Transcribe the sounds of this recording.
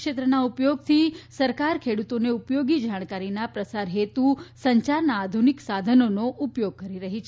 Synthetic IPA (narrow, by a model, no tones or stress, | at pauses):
ʃet̪ɾənaupjoɡt̪ʰisəɾkaɾkʰeɽut̪oneupjoɡid͡ʒaɽ̃kaɾinapɾəsaɾɦet̪ũsəɲt͡ʃaɾnaːd̪ʱuniksad̪ʱənonoʔupjoɡ̚kəɾiɾəɦit͡ʃʰ